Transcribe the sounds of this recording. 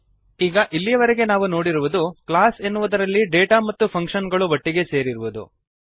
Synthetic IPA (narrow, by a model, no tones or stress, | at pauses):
iːɡɐʔilːijɐʋɐɾeɡe̞naːʋuno̞ːɽiɾuʋud̪ukɭaːsenːuʋud̪ɐɾɐlːiɖeːʈamɐt̪ːupʰɐŋkʂɐnɡɐɭuʋɐʈːiɡe̞se̞ːɾiɾuʋud̪ṵ